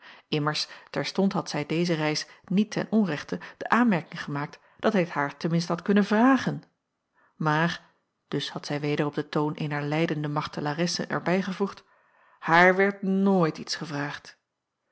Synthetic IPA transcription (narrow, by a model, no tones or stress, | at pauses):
ʔɪməɹstɛɹstɔntɦɑtsɛjdejzərɛjsnitʰɛ̰nɔnrɛχtəd̥əʔaːnmɛɹkɪŋχəmaːk̚t | d̥ɑtɦɛjətɦaːɹtəmɪnstəɦɑtkɵnənvraːχən | maːɹ | d̥ɵshɑtsɛjʋejdərɔb̚dətoːwnʔejnəɹlɛjdəndəmɑχtəlarɛsə̰nʔɛ̰ɹbɛjχəvuχt | haːɹʋɛɹtnoːjtitsχəvraːχt